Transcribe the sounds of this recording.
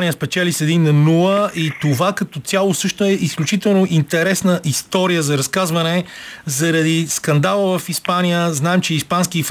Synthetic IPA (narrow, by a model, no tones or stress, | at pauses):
nijəspɛt͡ʃɛlisɛd̪inːɐnulˠəit̪ovakɐt̪ɔjalˠosɤʃt̪ʊɛisklʲut͡ʃit̪ɛlˠnoʔint̪ɛɾɛsnəʔist̪ɔɾijəzɐɾɐskazvɐnɛzɐɾɐd̪iskɐnd̪alˠəvəfispanijəznaɛmt͡ʃɛispanskif